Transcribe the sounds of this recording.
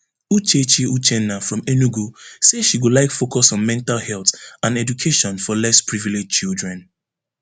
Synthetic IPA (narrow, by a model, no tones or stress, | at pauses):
ut͡ʃet͡ʃiut͡ʃɛnafɹɔ̃menuɡoseʃiɡolaɪkfokɔsɔ̃nmɛ̃ntalhɛlˠtãnɛdukʰeʃɔ̃nfɔlɛspɹiviled͡ʒt͡ʃildɹɛ̃n